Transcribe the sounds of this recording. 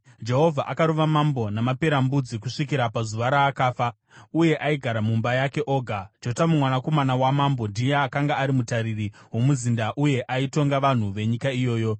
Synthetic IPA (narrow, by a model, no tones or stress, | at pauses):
d͡ʒe̞ɦo̞vʱaʔakaɾoʋamambo̞namape̞ɾambud͡zikuʂikiɾapazuʋaɾaːkaːfa | uje̞ʔaiɡʱaɾamumbajake̞ʔo̞ːɡʱad͡ʒo̞tamumwanako̞manawamambo̞ndijeakaŋɡaːɾimutaɾiriwo̞muzindaʔuje̞ʔaito̞ŋɡaʋan̤uʋe̞ɲikaijo̞ːjo̞